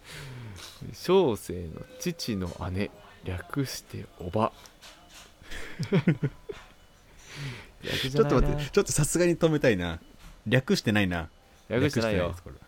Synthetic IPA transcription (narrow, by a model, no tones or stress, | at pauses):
ḛɕoːse̞ːno̞̰t͡ɕit͡ɕino̞̰ʔane̞ɾʲakɯ̟ɕi̥t̪e̞̰oba | a̰kt͡ɕo̞omaːet͡ɕo̞t̪ːo̞̥sasɨɡaɲ̟it̪o̞me̞t̪ainaɾʲakɯ̟ɕi̥t̪e̞naina | ɾʲakɯɕikɯiaieoaskoɾe